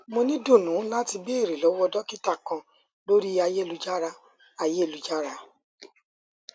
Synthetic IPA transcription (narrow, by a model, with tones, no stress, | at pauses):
mo˧nĩ˦do˦˨nũ˨˦la˦ti˧be˦e˦˨ɾi˨lɔ˨˦wɔ˦dɔ˦ki˦ta˦˨kã˧ | lo˦ɾi˦a˧je˦˨lu˨˧d͡ʒa˦ɾa˦ | a˧je˦˨lu˨˦d͡ʒa˦ɾa˦